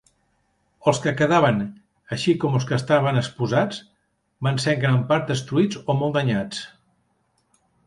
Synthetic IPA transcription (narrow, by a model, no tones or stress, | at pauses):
əlˠskəkəðaβ̞ən | əʃikɔməlˠskəst̪aβənəkspuzad͡z | banseɾŋɡɾampaɾt̪̚d̪əst̪ɾuid͡zomɔlˠd̪əɲat͡s